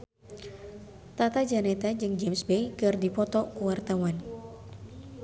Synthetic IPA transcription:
t̪at̪ad͡ʒanɛt̪ad͡ʒɨŋd͡ʒɛmsbejkɨrdipɔt̪ɔkuwart̪awan

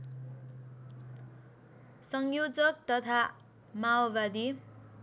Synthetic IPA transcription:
sʌŋjod͡zʌk̚t̪ʌt̪ʰa | maobad̪i

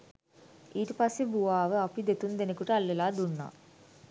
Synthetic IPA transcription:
iːʈəpasːebuʋaːʋəapid̪et̪und̪enekuʈəalːelaːd̪unːa̰ː

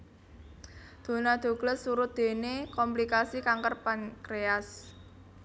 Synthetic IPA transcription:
d̪̥o̤nad̪̥o̤ɡ̥ləsuɾʊt̪̚d̪̥e̤nekɔmplikasikaŋkərpankɾeas

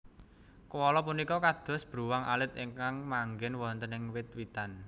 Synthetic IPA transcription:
kəwɔlɔpunikɔkad̪̥ɔ̤sb̥ɾuwaŋʔa̰lɪt̪iŋkaŋmaŋɡɪnwɔnt̪ənɪŋwɪt̪̚wit̪an

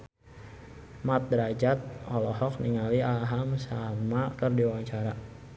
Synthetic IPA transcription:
mat̪̚dɾad͡ʒat̪̚ʔɔlɔɦɔk̚niŋaliaɦamsamakərdiwaŋt͡ʃaɾa

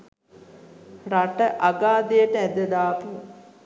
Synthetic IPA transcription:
raʈəʔaɡaːd̪ejəʈəæd̪əd̪aːpi

